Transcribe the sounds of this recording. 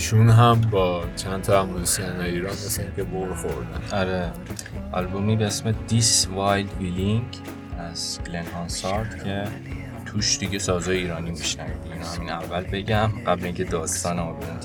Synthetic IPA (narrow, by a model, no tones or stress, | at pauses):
iʃunɦæmbɒːt͡ʃʰænt̪ʰɒæmunesienɒjiːɾɒːneseincʲʰeboɾxoɾd̪æ̰nɒɾe | ʔɒ̰lbomiːbeesmed̪isvɒːjld̪biliŋɡ | æz̥blenhɒːnsɒɾd̪̥cʰe̞ | t̪ʰuːʃd̪̥iɟe̞sɒːzɒːjiːɾɒːnimiʃnævḭːd̪iinohæmiːnævːælbe̞ɟæmɢæbleiŋcʰe̞d̪ɒːst̪ɒːnæɒlbn